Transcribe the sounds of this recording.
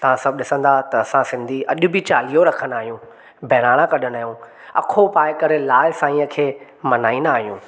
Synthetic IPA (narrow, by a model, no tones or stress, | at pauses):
t̪ɐʋ̤ãsɐb̚ʱɗɪsə̃nd̪at̪ɐɐsãsɪ̃nd̪ʱiʔɐʄʊbɪt͡ɕaːlijoɾɐkʰə̃nd̪aːɦijũ | bʱɛɾaːɽ̃ãkɐɗənaːɦjũ | ɐ̰kʰopaːɪkɐɾelaːɪsãːĩə̃kʰeː | mɐnaːĩnd̪aːɦijũː